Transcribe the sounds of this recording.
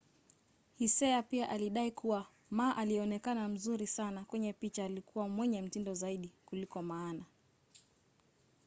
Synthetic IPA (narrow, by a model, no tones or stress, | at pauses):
hisɛapiaʔaliɗaikuwa | maːʔaliɛɔnɛkanam̩zuɾisanakwɛɲɛpit͡ʃaːlikuwamwɛɲɛm̩tindɔzaiɗikulikɔmaːna